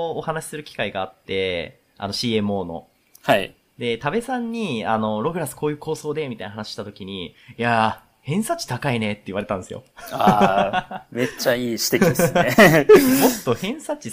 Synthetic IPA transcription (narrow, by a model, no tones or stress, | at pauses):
ohanaɕi̥sɨɾɯ̟kʲi̥kaiɡaːt̪ːe̞ | a̰no̞ɕiːẽ̞mɯ̟o̞ːno̞̰ | hai | d̪e̞t̪abe̞sãɲ̟ːiano̞ɾo̞ɡɯ̟ɾasɨ̥ko̞ːjɯ̟ːko̞ːso̞ːd̪e̞mʲit̪ainaɦanaɕi̥ɕi̥t̪at̪okʲiɲ̟ija | hẽ̞ɰ̃sat͡ɕi̥t̪akaine̞t̪ːe̞iβaɾe̞t̪ãnd̪esɨjo̞̰a | me̞t͡ɕaiːɕi̥t̪ekid̪eɨemo̞t̪ːo̞hẽ̞ɰ̃sat͡ɕi